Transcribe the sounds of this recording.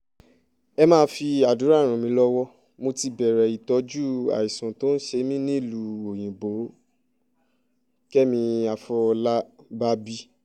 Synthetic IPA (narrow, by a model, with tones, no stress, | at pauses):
ɛ˧mãː˦fi˧a˨du˨˦ɾa˦˨ɾ̃ã˨mĩ˧˦lɔ˦wɔ˦ | mo˧ti˧bɛ˨ɾɛ˨i˨tɔ˨˦d͡ʒu˦a̰˨i˨sũ˨to˨˦n̩˦ʃe˧mĩ˦nĩ˦i˦˨lu˧˦o˨j̃ĩ˨bo˨˦ | kɛ˦mĩ˧a˧fɔ˧la˦ba˦bi˦